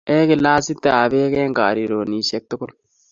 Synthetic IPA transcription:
ʔeː˦kɪ˨laː˦sɪ˦t̪ːɛ˦aː˨beː˦keː˦ŋkaː˨ɾi˨ɾo˨niː˨ʃɛ˦k̚t̪ʊ˦kʊ˦n

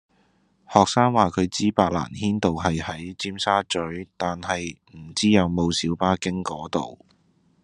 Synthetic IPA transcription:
hɔː˨k̚saː˥ŋwaː˨kʰɵ˨˧ɥt͡siː˥paː˧k̚la̰ː˨˩nhiː˥nt̪o˨wɦɐ˨jhɐ˨˥jt͡siː˥msaː˥t͡ʃɵ˨˥ɥt̪aː˨nhɐ˨j | m̩˨˩t͡siː˥jɐ˨˧wmo˨˧wsiː˨˥wpaː˥kɪ˥ŋkɔː˨˥t̪o̰˨w

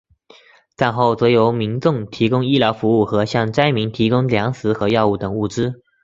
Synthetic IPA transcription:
t͡sa˥˧nxo˥˩ʊt͡swɔ˧˥jo˧˥ʊmi˧˥nʈ͡ʂʊ˥˩ŋt̪ʰi˧˥kʊ˥ŋi˥ljɑ˧˥ʊfu˧˥u˥˩xɤ˧˥ɕjɑ˥˩ŋt͡sa˥ɪmi˧˥ŋt̪ʰi˧˥kʊ˥ŋljɑ˧˥ŋsɹ̩˧˥xɤ˧˥jɑ˥˧ʊu˥˩t̪ə˨˩ŋu˥˩ʈ͡ʂɻ̩˥

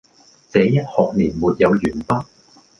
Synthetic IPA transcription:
t͡sɛː˨˥jɐ˥t̚hɔː˨k̚niː˨˩nmuː˨t̚jɐ˨˧wjyː˨˩npaː˥

